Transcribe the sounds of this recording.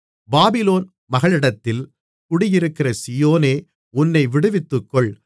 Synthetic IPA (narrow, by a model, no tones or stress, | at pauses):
baːbɪloːn | mɐɣɐɭɪɽɐt̪ːɪl | kʊɽɪjɪɾɯkːɪɾɐsɪjoːneː | ʊnːɐɪʋɪɽɯʋɪt̪ːɯkːɔɭ